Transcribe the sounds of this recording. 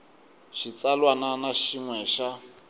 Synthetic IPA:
ʃit͡salwananaʃiŋwɛʃa

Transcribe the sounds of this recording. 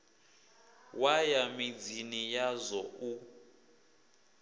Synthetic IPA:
wajamid͡zinijazɔu

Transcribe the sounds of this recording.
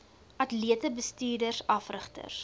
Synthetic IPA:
ʔɐtliətəbəstiːrdərsɐfrəχtə̰rs

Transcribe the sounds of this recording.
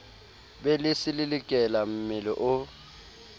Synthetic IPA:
bɛlɪsɪlɪlɪkʼɛlam̩mɪlɔʔʊ

